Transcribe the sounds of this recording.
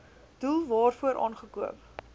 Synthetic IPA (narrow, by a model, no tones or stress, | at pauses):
d̥ulˠvɑːrfuəɾʔɑ̰ːnχəkuəp̚